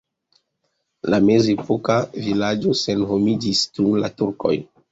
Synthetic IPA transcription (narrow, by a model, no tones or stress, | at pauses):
lame̞zepokavilad͡ʒo̞se̞nɦomid͡ʒistunlatuɾko̞̰j